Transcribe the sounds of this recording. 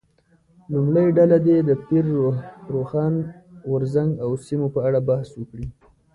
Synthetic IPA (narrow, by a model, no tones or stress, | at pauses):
lumɽəjɖalad̪ed̪əpiɾɾoxɑnɣʊɾzaŋɡawsimopəaɽabahswəkɽi